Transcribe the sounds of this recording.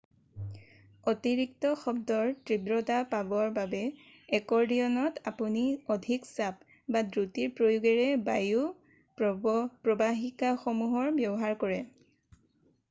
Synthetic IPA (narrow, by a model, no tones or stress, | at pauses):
otiɹik̚tɔxɔb̚dɔɹtɹibɹɔtapabɔɹbabɛ | ɛkɔɹdiɔnɔtapuniɔdʱiksap̚ | badɹutiɹpɹojuɡɛɹɛbaju | pɹɔbaɦikaxɔmuɦɔɹbjɔbɔɦaɹkɔɹɛ